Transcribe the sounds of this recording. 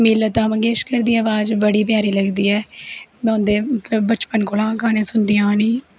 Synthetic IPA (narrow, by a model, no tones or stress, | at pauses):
miːlət̪ãːmə̃ŋɡeːʃkəɾd̪iːəʋaːd͡ʒbəɽiːpjaːɾiːləɡd̪iːɛːmɔ̃ːnd̪eːmət̪ləbːət͡ʃpənkolãːkaːnẽːsʊnd̪ijãːniː